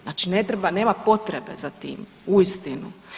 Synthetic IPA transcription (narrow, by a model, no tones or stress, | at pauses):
zaːt͡ʃinet̪ɾebaneːmapo̞t̪ɾebe̞̰zat̪ḭːm | uist̪inu